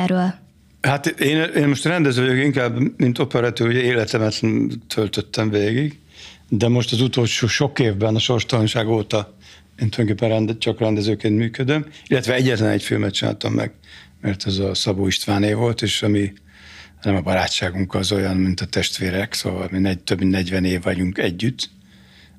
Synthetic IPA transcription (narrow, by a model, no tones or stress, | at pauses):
ɾøl | hat̪eːneːnmo̞ʃt̪rɛnd̪ɛzøːvɒjokiŋkaːbmint̪o̞pɛɾɛt̪yluɟɛeːlɛt̪lɛmɛt̪t̪ʰølt̪øt̪ʰːɛɱveːɡiɡ | d̪ɛmo̞ʃt̪ɒzut̪o̞lʃoːʃo̞keːvbɛnɒʃo̞rʃt̪ɒlonʃaːɡoːt̪ɒ | eːnojd̪oŋkeːpːɛnrɛnd̪t͡ʃɒkrɛnd̪ɛzøːkeːnt̪myːkød̪ømilːɛt̪ʋɛɛɟːɛt̪lɛnɛ̰cfilmɛt̪̚t͡ʃina̰ːlt̪ɒmːʔɛ̰ɡ | mɛrt̪ʰɛzɒsɒboːiʃt̪vaːneːvo̞lt̪eːʃɒmi | nɛmɒbɒɾa̰ːtt͡ʃaːɡuŋkɒzo̞jɒnmint̪ɒt̪ɛʃt̪veːɾɛkso̰ːvɒ̰lminɛt̪øbminnɛɟvɛneːvːɒɟuŋkɛɟːyt̪